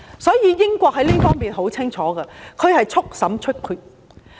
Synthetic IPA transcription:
sɔː˨˥jiː˨˧jɪ˥ŋkʷɔː˧k̚hɐ˨˥jliː˥fɔː˥ŋmiː˨nɦo˨˥wt͡sʰɪ˥ŋt͡ʃʰɔː˨˥ɡɐ˧kʰɵ˨˧ɥhɐ˨jt͡ʃʰʊ˥k̚sɐ˨˥mt͡ʃʰɵ˥t̚kʰyː˧t̚

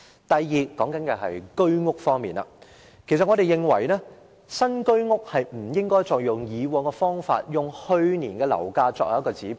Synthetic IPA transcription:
t̪ɐ˨jːiː˨kɔː˨˥ŋkɐ˨˥nkɛ˧ɦɐ̰˨jkɵ˥ɥŋʊ˥k̚fɔː˥ŋmḭː˨˩na̰ː˧ | kʰe˨˩sɐ˨t̚ŋɔː˨˧ɾe˨jɪ˨ŋwɐ̰˨˩jnɛː˥ | sɐ˥nkɵ˥ɥŋʊ˥k̚hɐ˨jm̩˨˩jɪ˥ŋkɔː˥jt͡sɔː˨k̚jʊ˨ŋjiː˨˧wɔː˨˧ŋkɛː˧fɔː˥ŋfa̰ː˧t̚jʊ˨ŋhɵ˧ɥniː˨˩nkɛː˧lɐ̰˨˩wkaː˧t͡sɔː˧˥jɐ̰˨˦˥kɔː˧t͡siː˨˥

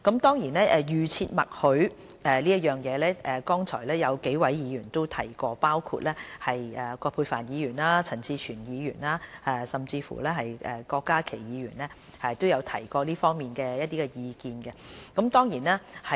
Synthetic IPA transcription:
kɐ˨˥mt̪ɔː˥ŋjiː˨˩nɛː˥ʔɛ˨˧jyː˨t͡sʰiː˧t̚mɐ˨t̚hɵ˨˥ɥ | ʔɛː˨˩liː˥ɐ˥t̚jœː˨ŋjɛː˨˧lɛː˥ʔɛ˨kɔː˥ŋt͡sʰɔː˨˩jlɛː˥jɐ˨˧wke˨˥jwɐ˨˥jjiː˨˧jyː˨˩nt̪o˥wt̪ʰɐ˨˩jkɔː˧paː˥wkʰṵ˧t̚lɛː˥hɐ˨jɛː˨˩kɔː˧pʰuː˧jfaː˨˩njiː˨˧jyː˨˩nlaː˥t͡sʰɐ˨˩nt͡siː˧t͡ʃʰyː˨˩njiː˨˧jyː˨˩naː˧˥ʔɛː˧sɐ˨mt͡siː˧fṵː˨˩lɛː˥ɦɐ˨jɛː˨kɔː˧kːaː˥kʰe˨˩jjiː˨˧jyː˨˩nlɛː˥ | hɐ˨jt̪o˥wjɐ˨˧wt̪ʰɐ˨˩jkɔː˧liː˥fɔː˥ŋmiː˨nkɛː˧jɐ˥t̚t̪iː˥kɛ˧jiː˨˧kiː˧nkɛ˧kɐ˨˥mt̪ɔː˥ŋjiː˨˩naː˥hɐ˨

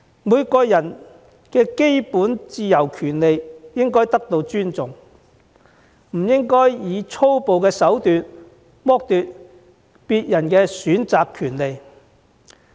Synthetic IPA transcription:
muː˨˧jkɔː˧jɐ˨˩n | kɛː˧ke˥jpuː˨˥nt͡siː˧jɐ˨˩wkʰyː˨˩nle˨jjɪ˥ŋkɔː˥jt̪ɐ˥k̚t̪o˧wt͡ʃyː˥nt͡sʊ˨ŋ | m̩˨˩jɪ˥ŋkɔː˥jjiː˨˧t͡sʰo˥wpo˨wkɛː˧sɐ˨˥wt̪yː˨˧t̚ | mɔː˥k̚t̪yː˨˧t̚ | piː˧t̚jɐ˨˩nkɛː˧syː˨˥nt͡saː˨kʰyː˨˩nle˨j

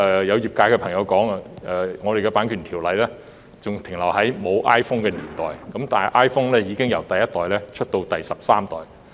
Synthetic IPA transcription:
ɛː˨jɐ˨˧wjiː˨p̚kaː˧jkɛː˧pʰɐ˨˩ŋjɐ˨˧wkɔː˨˥ŋa˧ʔɛː˨ŋɔː˨˧d̪e˨jkɛ˧paː˨˥nkʰyː˨˩nt̪ʰiː˨˩wlɐ˨˧jlɛː˥ | t͡sʊ˨ŋt̪ʰɪ˨˩ŋlɐ˨˩whɐ˨˥jmo˨˧wʔaː˥jfʊ˥ŋkɛː˧niː˨˩nt̪ɔː˨jkɐ˨˥mt̪aː˨nɐ˨˩jʔaː˥jfʊ˥ŋlɛː˥jiː˨˧kɪ˥ŋjɐ˨˧wt̪ɐ˨jɐ˥t̪̚ɔː˨˩jlɛː˥t͡ʃʰɵ˥t̚t̪o˧wt̪ɐ˨jsɐ˨p̚saː˥mt̪ɔː˨˩j

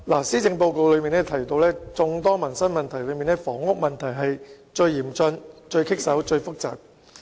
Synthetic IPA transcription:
laː˨˩siː˥t͡sɪ˧ŋpo˧wko˨˧wlɵ˨˧ɥmiː˨nɛː˥t̪ʰɐ˨˩jt̪o˧wlɛː˥t͡sʊ˧ŋt̪ɔː˥ŋmɐ˨˩nsɐ˥nmɐ˨nt̪ʰɐ˨˩jlɵ˨˧ɥmiː˨nɛ˥fɔː˨˥ŋʊ˥k̚mɐ˨˩nt̪ʰɐ˨˩jɦɐ˨j | t͡ʃɵ˧ɥjiː˨˩mt͡sɵ˧nt͡ʃɵ˧ɥkʰɪ˥k̚sɐ˨˥wt͡ʃɵ˧ɥfʊ˥k̚t͡sa̰ː˨p̚

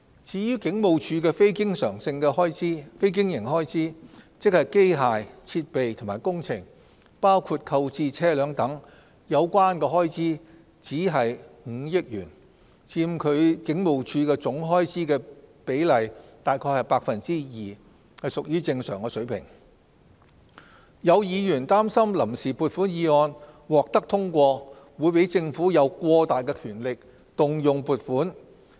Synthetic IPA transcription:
t͡sʰiː˨˧jyː˥kɪ˨˥ŋmo˨wt͡ʃʰyː˨˧kɛː˧fe˥jkɪ˥ŋsœː˨˩ŋsɪ˧ŋkɛː˧hɔː˥jt͡siː˥fe˥jk̬ɪ˥ŋjɪ˨˩ŋhɔː˥jt͡siː˥t͡sɪ˥k̚hɐ˨˩jke˥jɦaː˨jt͡sʰiː˧t̚pe˨jt̪ʰʊ˨˩maː˨˩jkʊ˥ŋt͡sʰɪ˨˩ŋ | paː˥wkʰuː˧t̚kʰɐ˧wt͡siː˧t͡sʰɛː˥lœː˨˥ŋt̪ɐ˨˥ŋ | jɐ˨˧wkʷaː˥nkɛ˧ɦɔː˥jt͡siː˥ | t͡siː˨˥ɦɐ˨jŋ̩˨˧jɪ˥k̚jyː˨˩n | t͡siː˧m̩kʰɵ˨˧ɥkɪ˨˥ŋmo˨˩wt͡ʃʰyː˧kɛː˧t͡sʊ˨˥ŋɦɔː˥jt͡siː˥kɛː˧pe˨˥jlɐ˨jt̪aː˨˩jkʰɔː˧jhɐ˨jpaː˧k̚fɐ˨˩nt͡siː˥jiː˨˩ | hɐ˨˩jsʊ˨k̚jyː˥t͡sɪ˧ŋsœ̰ː˨˩ŋkɛː˧sɵ˨˥ɥpʰɪ̰˨˩ŋ | jɐ˨˧wjiː˨˧jyː˨˩nt̪aː˥msɐ˥mlɐ˨˩msiː˨˩puː˨t̚fuː˨˥njiː˨˧ɔː˧nwɔː˨k̚t̪ɐ˥k̚t̪ʰʊ˥ŋkʷɔː˧ | wuː˨˧jpe˨˥jt͡sɪ˧ŋfuː˨˥jɐ˨˧wkʷɔː˧t̪aː˨jkɛː˧kʰyː˨˩nlɪ˨k̚ | t̪ʊ˨˩ŋjʊ˨˩ŋpuː˨˩t̚fuː˨˥n

